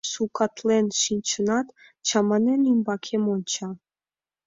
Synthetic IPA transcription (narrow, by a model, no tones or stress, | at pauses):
sukʰɑt̪lenʃinʲt͡ɕənɑt̪ | t͡ɕɑmɑnenymbɑkʰemonʲt͡ɕɑ